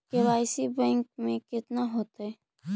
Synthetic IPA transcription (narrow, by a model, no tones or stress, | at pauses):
keʋaːɪsibɛ̃ːŋk̚mẽkɪt̪naɦoːt̪aɛ